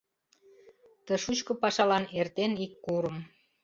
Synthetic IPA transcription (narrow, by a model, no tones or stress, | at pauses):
t̪əʃut͡ɕkə̆pɑʃɑlɑnert̪enikːuɾə̆m